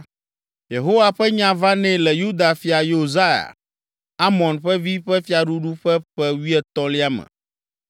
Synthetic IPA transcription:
je˨ɦo˦wa˨ɸɛ˦ɲã˦va˦nɛ̃˦lɛ˨ju˦d̪a˨fi˨˦a˨jo˨za˦ja̰˨ | a˦mɔ̃˨nɸɛ˦vi˦ɸɛ˦fi˦a˨ɖu˦ɖu˦ɸɛ˦ɸɛ˦wi˦ɛ˦t̪ɔ̃˦li˦a˦mɛ̰̃˨

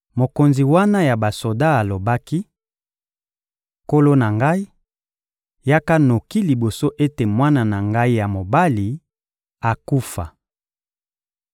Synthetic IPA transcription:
mo˨ko˨nzi˨wa˦na˦ja˨ba˨so˨da˦a˨lo˨ba˦ki˦ | ko˦lo˦na˨ŋɡa˦i˦ | ja˦ka˦no˨ki˦li˨bo˨so˦ʔe˦te˨mwa˦na˨na˨ŋɡa˦i˦ja˨mo˨ba˦li˨ | a˨ku˦fa̰˨

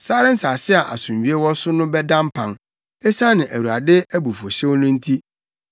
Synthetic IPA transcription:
saː˦ɾɪ˦n̩˦saː˨sɪ˦a˨ʔa̰˨sʊ̃˨m˨ɥi˦e˦wɔ˦sʊ˦nʊ̃˦bɛ˦dã˦m˦pʰã˨n | ɛ˦sa˦nɪ̃˨ʔæ˨wu˨a˨dɪ˦æ˦bu˨fo˨ɕɛ̃˦wnʊ̃˦n̩˦tʰi˦

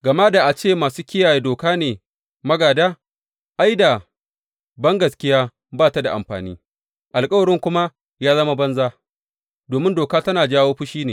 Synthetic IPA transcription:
ɡɐ˨ma˦da˨ʔa˨t͡ʃeː˦˨maː˨suː˦kʲɪ˦jaː˨je˦doː˨kaː˦neː˨ | mɐ˦ɡaː˨daː˦ | ʔa˦jda˨ | bɐ˦ŋɡɐ˨skʲɪ˦jaː˦ | baː˦˨ta˦da̰˨ʔa̰˨mɸa̰ː˨nḭː˦ | ʔa˨lkʼɐ˦wɐ˨ɽɪ˦ŋkʷʊ˦ma˦ | jaː˦zɐ˦ma˦bɐ˦nzaː˦ | doː˨mɪ˦ndoː˨kaː˦tɐ˦naː˨d͡ʒaː˦woː˦ɸʊ˦ʃiː˦neː˨

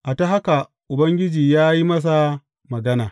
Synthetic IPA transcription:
ʔa˨ta˦ɦa˦ka˨ | ʔʊ˨bɐ˦ŋɡʲɪ˦d͡ʒiː˨jaː˦ji˦mɐ˦s̬a˨ | mɐ˨ɡɐ˦naː˨

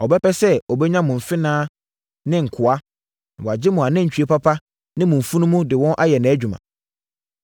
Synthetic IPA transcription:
ɔ˨bɛ˦pɛ˦sɛ˦ɔ˨bɛ˦ɲã˦mʊ̃˨m̩˨fɪ˦nãː˦ | nɪ̃˦ŋ̩˨kʰʊ˨a˦ | nã˨wɔ˨a˨d͡ʑɪ˦mʊ̃˨a˨nɪ̃˦ɲ̩˨t͡ɕᶣi˨˦e˦pa˦pʰa˦ | nɪ̃˦mʊ̃˨ɱ̩˨fu˦nũ˦mũ˦dɪ˨wɔ̃˦nʔa˦jɛ˨nɛ̃˨æ˦d͡ʑᶣu˨mã̰˨

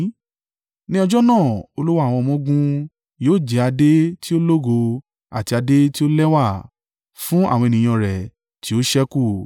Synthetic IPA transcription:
nĩ˦ɔ˧d͡ʒɔ˦nãː˦˨o˧lu˦wa˦˨w̃ɔ̃˧mɔ̃˦ɡũ˦ | joː˦˨d͡ʒi˨˧a˧de˦ti˦o˦lo˦ɡo˧ | a̰˨ti˧a˧de˦ti˦o˦lɛ˦wa˦˨ | fũ˦a̰˦˨wɔ̃˧e˧˨nĩ˨j̃ɔ̃˧ɾɛ˨ | ti˨˦o˦ʃɛ˦ku˦˨

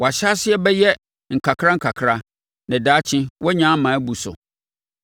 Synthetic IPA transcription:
wɔ˨a˨ɕa˦sɪ˦ɛ˦bɛ˦jɛ˦ | ŋ̩˨kʰa˨kʰɾa˦ŋ̩˨kʰa˨kʰɾa˦ | nɛ̃˨daː˨˦t͡ɕʰɪ̃˦wɔ˦ɲã˦mã˨æ˦bu˨sʊ̰˨

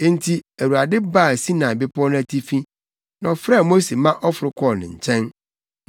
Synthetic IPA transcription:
n̩˦tʰi˦æ˨ɾu˨a˨dɪ˦ba˦˨si˦nã˨bɪ˦pʰʊ˦ɔ˦nʊ̃˦æ˦tʰi˦fĩ˦ | nã˨ɔ˨fɾa˦˨mo˦se˨mã˦ʔɔ˦fʊ˨ɾʊ˦kʰɔ˦˨nɪ̃˨ɲ̩˨t͡ɕʰɛ̃˦n

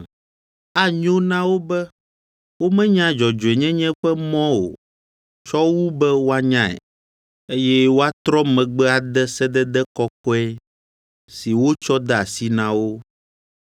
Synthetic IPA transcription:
a˦ɲ˦õ˦nã˦wo˦bɛ˦ | wo˦mɛ̃˦ɲã˦d͡ʒɔ˨d͡ʒo˨ɛ˨ɲɛ̃˦ɲɛ̃˦ɸɛ˦mɔ̃˦o̰˨ | t͡ʃɔ˦wu˦bɛ˦wo˦a˦ɲã˦ɛ̰˨ | e˦jɛ˦wo˦a˦t̪ɾɔ˦mɛ̃˨ɡ͡bɛ˦a˨d̪ɛ˦sɛ˦d̪ɛ˦d̪ɛ˦kɔ˦kɔ˦ɛ˦ | si˨wo˦t͡ʃɔ˦d̪a˨si˦nã˦wo˦

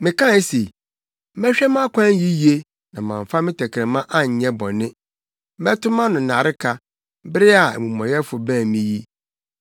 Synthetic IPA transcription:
mɪ̃˨kʰã˦se˨ | m̩˦mɛ˦ɕᶣɛ˦m˦ã˦kʷʰã˦ji˦ji˦e˦ | nã˨mã̰˨ɱ˨fa˦mɪ̃˦tʰɛ˨kʰɾɛ̃˨mã˦ʔa˦ɲ̩˨ɲɛ̃˦bɔ˨nɪ̃˦ | m̩˦bɛ˦tʰʊ˦mã˦nʊ̃˨na˨ɾɪ˦kʰa˦ | bɾɪ˦a̰˨mũ˨mɔ̃˨jɛ˦fʊ˨bæ̃ː˦˨mĩ˦ji˦

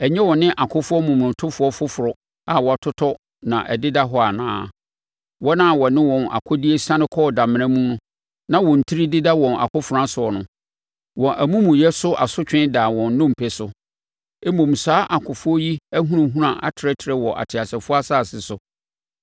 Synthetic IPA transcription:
ɛ˨ɲɛ̃˦wɔ˨nɪ̃˦ʔa˨kʰʊ˦fʊ˦ɔ˦mũ˨m˨ʊ̃˨tʰʊ˦fʊ˨˦ɔ˦fʊ˦fʊ˨ɾɔ˨ | a˨wɔ˨a˨tʰʊ˦tʰɔ˦ | nã˨ʔɛ̰˨dɪ˦da˦ɦɔ˦a˨nã̰ː˦ | wɔ˦nã˦˨wɔ˨nɪ̃˦wɔ̃˨na̰˨kʰʊ˦di˦e˦sã˦nɪ̃˦kʰɔ˦˨da˨mɪ̃˨ã˦mũ˦nʊ̃˦ | nã˦wɔ̃˨n̩˨tʰi˦ɾi˦dɪ˦da˦wɔ̃˨na̰˨kʰʊ˦fʊ˨ɾã˦sʊ˨ɔ˨nʊ̰̃˨ | wɔ̃˨ʔæ˨mũ˦mũ˨jɛ˦sʊ˦ʔa̰˨sʊ˦t͡ɕᶣɪ̃˦daː˨wɔ̃˨nː˦ʊ̃˦m̩˨pʰɛ˨sʊ˨ | ɛ˦mõ˨m˨saː˦ʔa˨kʰʊ˨fʊ˦ɔ˦ji˦æ˦ɦũ˦ɾã˨ɦũ˦ɾã˨ʔa̰˨tʰɪ˨ɾɛ˦tʰɪ˨ɾɛ˦wɔ˨ʔa̰˨tʰɪ˨a˨sɛ˨fʊ˦a˦saː˦˨sɪ˨sʊ˨

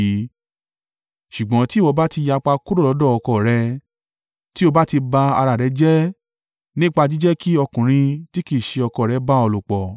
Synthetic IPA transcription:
ʃu˨ɡ͡bɔ̃˨˦ti˦˨wɔ˧ba˦ti˧ja˧k͡pa˧ku˦ɾo˦˨ɔ˨˦dɔ˦˨ɔ˧kɔ˨ɾɛ˧˦ | ti˦o˧ba˦ti˧ba˧a˧ɾa˨ɾɛ˨˦d͡ʒɛ˦ | nĩ˦k͡pa˧d͡ʒi˦d͡ʒɛ˦ki˦ɔ˧kũ˨ɾ̃ĩ˧ti˦ki˦˨ʃe˧ɔ˧kɔ˨ɾɛ˨˧˦ba˦ɔ˧lu˨k͡pɔ˨

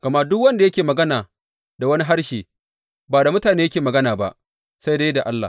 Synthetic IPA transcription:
ɡ̥ɐ˨ma˦dʊ˦kwɐ˦nda˨jɐ˦kʲeː˨mɐ˨ɡɐ˦naː˨ | da˨wɐ˦ni˦ɦa˦ɽʃeː˨ | baː˨da˨mʊ˦taː˨neː˦jɐ˦kʲeː˨mɐ˨ɡɐ˦naː˨ba̰˦ʔ | sa˦jda˦jda˨ʔa˦lːa̰ː˨

